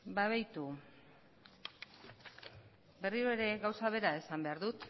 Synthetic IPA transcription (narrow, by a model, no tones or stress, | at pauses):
baβajt̪u | be̞riɾoe̞ɾe̞ɣawsaβ̞e̞ɾae̞sambe̞aɾðut̪